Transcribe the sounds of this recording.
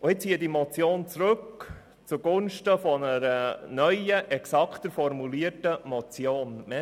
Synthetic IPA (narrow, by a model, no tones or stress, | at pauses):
ʔʊɪt͡st͡siːəd̥imɔt͡sjoːnt͡srɵk | t͡suɡ̥ʊnʃtəfɔnəɾənœʏəʔɛksɑkχtəɾfɔrmuliətəmɔt͡sjoːnmɛ